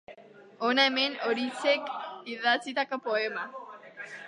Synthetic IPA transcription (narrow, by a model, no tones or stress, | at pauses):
onaeme̞no̞ɾit͡sekiðat͡sit̪ako̞po̞e̞ma